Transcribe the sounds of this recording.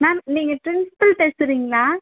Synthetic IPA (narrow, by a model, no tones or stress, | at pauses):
naːniːŋɡɐʈɾɪnspɐlp̪eːsɪɾiːŋɡɐlaː